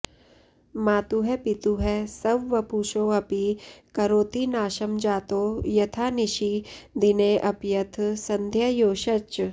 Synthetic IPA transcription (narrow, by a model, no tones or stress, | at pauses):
maːt̪uɦɛpit̪uɦɛsɐʋʋɐpuːʃoːɐpikɐɾoːt̪inaːʃɐmd͡ʒaːt̪oːjɐt̪ʰaːniʃid̪ineːʔɐpjɐt̪ʰsɐ̃nd̪ʱjɐjoːʃɐt͡ʃ